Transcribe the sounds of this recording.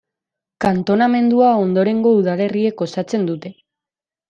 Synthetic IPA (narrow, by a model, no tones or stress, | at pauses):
kant̪o̞name̞nd̪uao̞nd̪o̞ɾe̞ŋɡo̞uð̞ale̞rie̞ko̞sat͡se̞nd̪ut̪e̞